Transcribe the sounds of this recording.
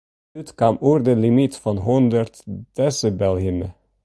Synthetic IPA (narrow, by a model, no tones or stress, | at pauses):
ʉːt̪kʰɑmuːɾd̪əlɪmit̪fɔnɦɔnd̪əɾt̪d̪̥ɛsəbɛlhʏmə